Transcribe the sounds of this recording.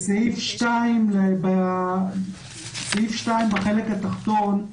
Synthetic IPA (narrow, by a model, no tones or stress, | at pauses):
sehifʃtaimleba | sehifʃtaimbeχelekhat̪aχt̪on